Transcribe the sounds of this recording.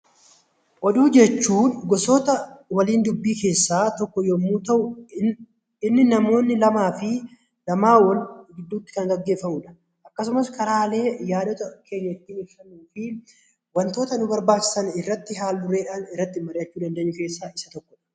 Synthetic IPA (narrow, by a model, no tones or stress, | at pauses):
ʔɔd̪uːd͡ʒɛt͡ʃːuːnɡɔsoːt̪ɐwɐliːnd̪ʊbːiːke̞ːsːaːt̪ɔkːɔjomːuːt̪ɐʔʊ | ɪnːɪnɐmo̞ːnːɪlɐmaːfɪ | lɐmaːwɐnɡɪd̪ːuːt̪ːɪ̥kɐŋɡɐɡːe̞ːfːɐmuːᶑɐ̥ | ʔɐkːɐs̬ʊmɐskʰɐɾaːle̞ːjaːd̪ɔt̪ɐke̞ːɲːɐɪt̪ːɪːnɪɾsɐnuːfɪ | wɐnt̪o̞ːt̪ɐnʊbɐɾbaːt͡ʃːɪ̥sɐnɪrːɐt̪ːɪɦaːlbʊre̞ːᶑaːnɪrːɐt̪ːɪmɐɾɪʔɐt͡ʃːuːd̪ɐnd̪eʔːɲːʊkeːsːaːʔɪsɐt̪ɔkːɔᶑɐ̥